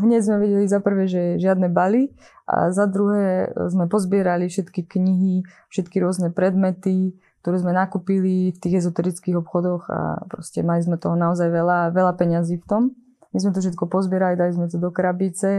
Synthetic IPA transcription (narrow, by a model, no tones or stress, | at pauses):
ɦɲɛɟzmɛʋɛɟɛlizapr̩ʋɛːʒɛʒɪad̪nɛbali | ʔa̰zad̪ɾuɦɛːzmɛpɔzbɪɛɾalifʃɛt̪kikɲiɦi | fʃɛt̪kiɾʊɔznɛpɾɛd̪mɛt̪i | k̚t̪ɔɾɛːzmɛnakupilift̪iːɣɛzɔt̪ɛɾit͡skiɣɔpxɔd̪ɔɣa̰pɾɔscɛmalizmɛt̪ɔɦɔnaɔzajʋɛlaʋɛlapɛɲaziːft̪ɔm | mizmɛt̪̬ɔfʃɛt̪̚kɔpɔzbɪɛɾalid̪alizmɛt̪ɔd̪ɔkɾabit͡sɛ